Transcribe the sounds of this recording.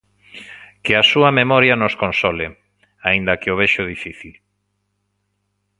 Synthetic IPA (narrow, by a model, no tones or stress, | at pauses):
keasuɐmemɔɾjɐnoskonsɔle | aind̪ɐkeoβeʃʊð̞ifiθil